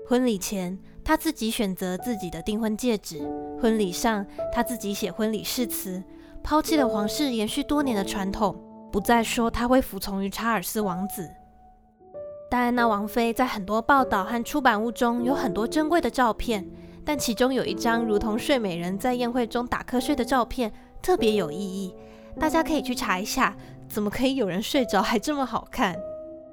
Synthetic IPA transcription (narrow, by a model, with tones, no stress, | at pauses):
xwə˦˥nli˨˩t͡ɕʰjɛ˧˦n | t̪ʰa˥t͡sɹ̩˥˩t͡ɕi˧˥ɕɥɛ˨˩nt͡sɤ˨˧˦t͡sɹ̩˥˩t͡ɕi˨˩d̪ə˦t̪i˥˩ŋxwə˥nt͡ɕjɛ˥˩ʈ͡ʂɻ̩˨˩˦xwə˦˥nli˨˩ʂɑ˥˧ŋt̪ʰa˥t͡sɹ̩˥˩t͡ɕi˧˥ɕjɛ˨˩xwə˦˥nli˨˩ʂɻ̩˥˩t͡s̩ʰ˧˥ | pʰɑ˥ʊt͡ɕʰi˥˩lə˩xwɑ˧˥ŋʂɻ̩˥˩jɛ˧˥nɕy˥˩t̪wɔ˥njɛ˧˥nd̪ə˧ʈ͡ʂʰwa˧˥nt̪ʰʊ˨˩ŋpu˧˥t͡sa˥˩ɪʂwɔ˥t̪ʰa˥xwe˥˩ɪfu˧˥t͡sʰʊ˧˥ŋy˧˥ʈ͡ʂʰa˧˥ə˞˨˩sɹ̩˥wɑ˧˥ŋt͡sɹ̩˨˩˦ | t̪a˥ɻa˥˧na˥˩wɑ˧˥ŋfe˥ɪt͡sa˥˩ɪxə˨˩nt̪wɔ˥pɑ˥˧ʊt̪ɑ˥˩ʊxa˥˩nʈ͡ʂʰu˥pa˨˩nu˥˩ʈ͡ʂʊ˥ŋjo˧˥ʊxə˨˩nt̪wɔ˥ʈ͡ʂə˥nkwe˥˩ɪd̪ə˩ʈ͡ʂɑ˥˧ʊpʰjɛ˥˩nt̪a˥˩nt͡ɕʰi˧˥ʈ͡ʂʊ˥ŋjo˨˩ʊʔi˥˩ʈ͡ʂɑ˥ŋɻu˧˥t̪ʰʊ˧˥ŋʂwe˥˩ɪme˨˩ɪɻə˧˥nt͡sa˥˧ɪjɛ˥˧nxwe˥˩ɪʈ͡ʂʊ˥ŋt̪a̰˨˩kʰɤ˥ʂwe˥˩ɪd̪ə˩ʈ͡ʂɑ˥˧ʊpʰjɛ˥˩n | t̪ʰɤ˥˩pjɛ˧˥jo˨˩ʊi˥˧i˥˩ | t̪a˥˩t͡ɕja˥kʰɤ˧˥i˨˩t͡ɕʰy˥˩ʈ͡ʂʰa˧˥i˧˥ɕja˥˩ | t͡sə˨˩mə˦kʰɤ˧˥i˧˥jo˨˩ʊɻə˧˥nʂwe˥˧ɪʈ͡ʂɑ˥ʊxa˧˥ɪʈ͡ʂɤ˥˩mə˩xɑ˨˩ʊkʰa˥˩n